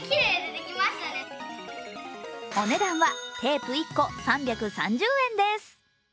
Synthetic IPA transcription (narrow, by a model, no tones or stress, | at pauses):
kʲiɾeːd̪ed̪ekʲimaɕt̪ane | o̞ne̞d̪ãɰ̃βat̪ʰe̞ːpɯ̟ikːo̞sãmbʲakɯ̟sãɲ̟d͡ʑɨːẽ̞nd̪e̞sɨ̥